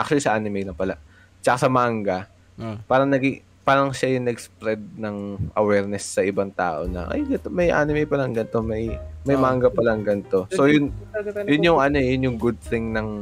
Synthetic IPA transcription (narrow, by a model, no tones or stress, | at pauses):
ʔak̚t͡ʃʊlisɐʔaːnɪmɛjnɐŋpɐla̰ʔ | t͡ʃɐkasɐmaŋɡɐ | paːɾɐŋnɐɡɪ | paːɾɐŋʃajʊŋnɐɡspɾɛd̪̚nɐŋʔɐ̰wɛːɾnɛsːɐʔɪbaŋt̪a̰ːʔo̞nɐ̰ʔɐ̰jɡɐt̪mɐjʔa̰ːnɪmɛjpɐlɐŋɡɐnt̪o̞mɐjmɐjmaŋɡɐpɐlɐŋɡɐnt̪o̞sojʊnjʊnjʊŋʔɐno̞jʊnjʊŋɡʊd̪̚θɪŋnɐŋ